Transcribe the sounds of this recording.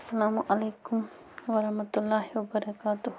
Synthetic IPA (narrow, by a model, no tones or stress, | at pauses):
sɐlaːmʊʔɐleːkʊm | wɐɾɐhmɐt̪ʊlːaːhiwɐbɐɾɐkaːt̪ʊh